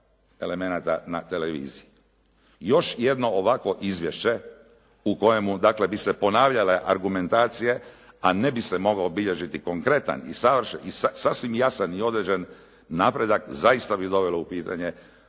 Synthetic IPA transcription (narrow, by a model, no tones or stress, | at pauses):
e̞le̞me̞nat̪anat̪e̞le̞ʋḭːziji | jo̞ʃje̞d̪no̞oʋakʋo̞ʔizʋje̞ʃt͡ɕe̞ | uko̞je̞mud̪aːkle̞bise̞po̞naːʋʎale̞ʔa̰ɾɡume̞nt̪aːt̪sije̞ | ane̞bisemo̞ɡaobiʎe̞ʒit̪iko̞ŋkɾe̞t̪a̰nḭsaʋr̩ʃḛisasasʋimjasanio̞d̪ɾed͡ʑenː | aːpɾe̞d̪akzaist̪abid̪o̞ʋelo̞upiːt̪aɲe̞